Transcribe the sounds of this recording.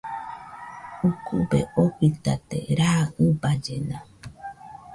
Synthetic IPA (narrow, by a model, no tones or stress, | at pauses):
ukʰubḛokit̪at̪ḛɾaːɨbad͡ʒenã